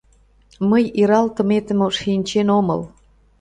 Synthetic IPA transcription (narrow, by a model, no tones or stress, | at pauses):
məjiɾɑlt̪ə̆met̪ə̆moʃinʲt͡ɕenomɤ̰l